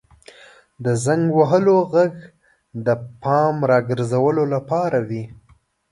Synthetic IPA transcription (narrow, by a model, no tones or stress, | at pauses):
d̪əzaŋɡwaɦəloɣaɡ | d̪əpɑmɾɑɡəɾzawəlolapɑɾawi